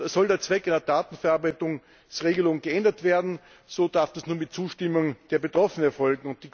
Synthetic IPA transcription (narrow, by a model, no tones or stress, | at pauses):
sɔldeːɐt͡sv̥ɛkaɪnɐdaːtn̩fɛɐaɐbaɪtʊŋ | sʁeːɡəlʊŋənɡəɛndɐtv̥eːɐdn̩ | z̥oːd̥aɐfd̥asnuːɐnmɪt̚t͡suːʃtɪmʊŋd̥eːɐbetʁ̥ɔfənənɛɐfɔlɡŋ̩ʊnt̚d̥iːk